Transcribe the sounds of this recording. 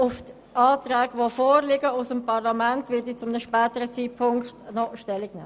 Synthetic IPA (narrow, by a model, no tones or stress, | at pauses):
ʊft | aːtɾɛːɡʋofoːɾlɪɡəʊsəmpʰɑʁlamɛntvɪdit͡sʊmənəʃpɛːtəɾət͡siːt̚pʰʊŋkχtnɔʃtɛlːiɡnɛ̰ː